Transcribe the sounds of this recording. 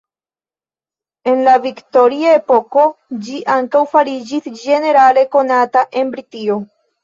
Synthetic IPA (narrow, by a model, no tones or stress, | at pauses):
e̞nlavikto̞ɾiae̞po̞ko̞d͡ʒiʔaŋkawfaɾid͡ʒisd͡ʒe̞ne̞ɾale̞ko̞nataʔe̞nbɾitio̞